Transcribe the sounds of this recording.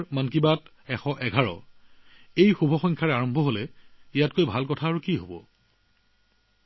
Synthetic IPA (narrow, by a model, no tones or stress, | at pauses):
mənk̬ibat | ɛxɔʔɛɡʱaɹɔ̰ | ejxubʱɔxɔŋkʰaɹaɹɔmbʱɔɦolɛijatkojbʱalkɔtʰaːɹukiɦobɔ̰